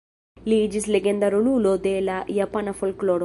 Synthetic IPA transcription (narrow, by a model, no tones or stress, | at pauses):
liːd͡ʒisleɡend̪ɐɾululod̪eːlajɐpɐnɐfulkloːɾ